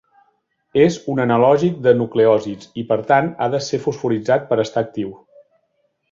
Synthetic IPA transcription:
ezunənəlɔʒik̚d̪ənukleɔzit͡sipəɾt̪ana̰ðəsefusfuɾid͡zat̪̚pəɾəst̪aːk̚t̪iw

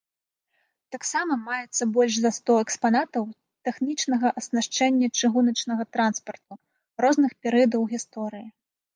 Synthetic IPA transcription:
t̪aksamɐmajɛt̪sːɐbɔlʲʂzɐst̪ɔɛkspanat̪ɐw | t̪ɛxnʲit͡ʂnɐɣɐʔɐsnaʂt͡ʂɛnʲːɐt͡ʂɨɣunɐt͡ʂnɐɣɐt̪ɾanspɐrt̪̚u | rɔznɨxpʲɛɾɨjɐd̪ɐwɣʲist̪ɔɾɨji

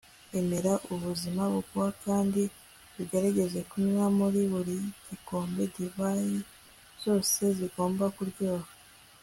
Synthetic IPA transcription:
e̞me̞ɾaʔuβuzimaβukuwakaːndi | βiɡe̞ɾaɟe̞ze̞kuɲwamuɾiβuɾiɟ̥iko̞ːmbe̞ɟiβaji | z̥o̞ːse̞ziɡo̞ːmbakuɾɟo̞ːha

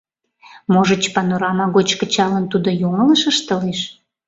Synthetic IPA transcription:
moʒət͡ɕpɑnoɾɑmɑɣot͡ɕkət͡ɕɑlənt̪ud̪ojoŋələʃəʃt̪əleʃ

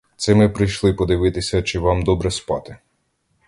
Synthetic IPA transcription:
t̪sɛmɛpɾɪʃlˠɔipɔd̪ɪʋɪt̪ɪsʲɐt͡ʃɛʋamd̪ɔbɾɛspa̰t̪ɪ

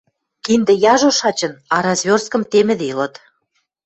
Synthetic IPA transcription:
kind̪ĕjɑʒoʃɑt͡ɕə̆nɑɾɑzβʲorskɤ̆mt̪emɘ̆d̪eilɤ̆t̪

